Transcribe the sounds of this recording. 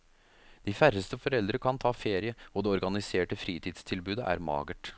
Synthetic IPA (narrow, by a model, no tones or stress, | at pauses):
d̪̥ɪfæɾəst̪əfɔɾɛld̪ɾəkʰɑnt̪ʰɑːfeːɾɪəɔd̪ɛːɔɾɡɑnɪseːʈəfɾiːt̪ʰiːd̪st̪ʰɪlbʉːd̪əʔæ̰ːɾmɑ̰ːɡəʈ